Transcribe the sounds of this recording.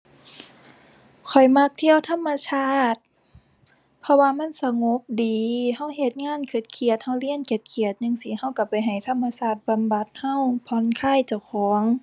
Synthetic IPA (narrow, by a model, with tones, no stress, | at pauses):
kʰɔ˨˩jma˧˥k̚t̪ʰi˧˨ə˨wt̪ʰa˧˥˨mːa˧saː˧˥˩t̪̚ | pʰɔ˧waː˧ma˧˥˨nsa˧ŋo˧˦p̚diː˨˦ha˧˩˨wɦe˨˩t̪̚ŋaː˧˥˨nkʰɯ˧˩t̪̚kʰi˧˩ət̪̚ha˧˩wli˧˥˨ənke˧˩˦t̪̚kʰi˧˩ət̪̚ɲɯ˧˨ŋsiː˧˩ha˧˥˩wka˧˩pa˨jɦa˨˩jt̪ʰa˧˥˨mːa˧saː˧˩t̪̚ba˨mba˧˦t̪̚ha˧˥˩wpʰɔ˧˦nkʰaː˧˥˨jt͡ɕa˧˩wkʰɔː˨˦ŋ